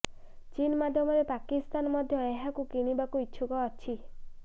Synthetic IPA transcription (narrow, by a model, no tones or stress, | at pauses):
t͡ʃinmad̪ʱjɔmɔɾepakist̪anmɔd̪ʱjɔeɦakukiɽ̃ibakuiːt͡ʃʰʃʰukɔːt͡ʃʰi